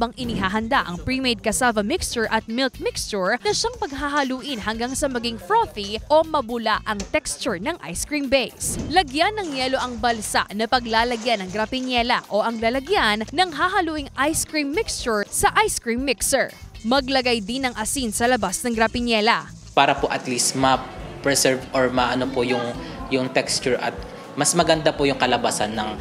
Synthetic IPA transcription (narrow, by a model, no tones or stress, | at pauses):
bɐŋʔɪnɪɦaːɦɐnd̪aʔɐ̰ŋpɹimejd̪̚kɐsavɐmɪkst͡ʃʊɹʔɐt̪̚mɪlk̚mɪkst͡ʃʊɹnɐʃaŋpɐɡ̚ɦaːɦɐluːʔɪnhɐŋɡaŋsɐmɐɡiŋfɹoθiʔomɐbʊlaʔɐŋt̪ɛkst͡ʃʊɹnɐŋʔa̰jskɹimbɛjslɐɡjanːɐŋjɛlo̞ʔɐŋbɐlsa̰ʔnɐpɐɡlaːlɐɡjanɐŋɡɾɐpɪɲjɛlɐ̰ʔoʔɐŋlɐlɐɡjanːɐŋɦaːɦɐluːʔɪŋʔajskɹimːɪkst͡ʃʊɹsɐʔajskɹimːɪksɛɹmɐɡlɐɡajd̪ɪnɐŋʔɐsinsɐlɐbasnɐŋɡɾɐpɪɲjɛlɐ | paːɾɐpoʔɐt̪list̪mɐpɹɛsɛɹvʔoɹmɐʔɐnopojʊŋjʊŋt̪ɛkst͡ʃʊɹʔɐ̰t̪̚ | mɐsmɐɡɐnd̪apojʊŋkɐlɐbasanːɐŋ